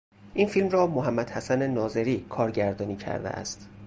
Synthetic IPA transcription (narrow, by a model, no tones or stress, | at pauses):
ʔinfilmrɒːmoɦæmːæd̪̥hæsænenɒːze̞ɾiːkʰɒːɾɟæɾd̪ɒːniːcʰæ̰ɾd̪ḛʔæ̰st̪